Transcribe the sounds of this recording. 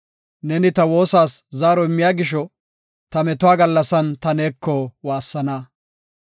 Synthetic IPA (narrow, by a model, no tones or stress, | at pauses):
nɛnɪt̪ɐwo̞ːsaːszaːɾɔɪmːɪjaːɡɪʃ̬ɔ | t̪ɐmɛt̪ʊaːɡɐlːɐsɐnt̪ɐneːkʰːɔwaːsːɐnɐ